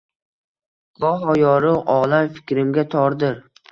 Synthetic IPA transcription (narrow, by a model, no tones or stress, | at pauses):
b̥ɒɦɒjɒɾʊʔɒlamfɪ̥kʲɾɪmɡʲat̪ʰɒɾd̪ɪɾ